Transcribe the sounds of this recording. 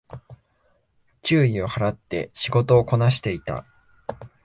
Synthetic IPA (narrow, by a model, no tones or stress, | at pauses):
t͡ɕɨːio̞haɾat̪ːe̞̰ɕiɡo̞t̪o̞ːko̞naɕ̬i̥t̪e̞it̪a̰